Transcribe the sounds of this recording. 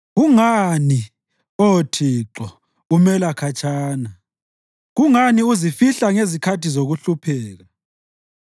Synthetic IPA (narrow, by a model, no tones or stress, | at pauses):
ɣuŋani | ɔtʰiǁɔ | umɛlakʰat͡ʃʰʼaːna | ɣuŋaniuzifiɬaŋezikʰatʰizoɣuɬupʰɛːɣa